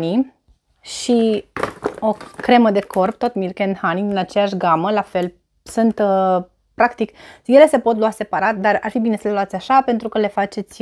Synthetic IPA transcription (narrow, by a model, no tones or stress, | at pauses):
ni | ʃi | o̞kɾe̞məd̪e̞kʰo̞rpt̪o̞t̪mirkend̪hanid̪inat͡ʃejaʃ̬ɡaməlafe̞l | sunt̪ | pɾakt̪ikje̞le̞se̞po̞t̪luase̞paɾat̪̚d̪ara̰rfibine̞səleluat̪sʲaʃape̞nt̪ɾukəle̞fat͡ʃe̞t̪sʲ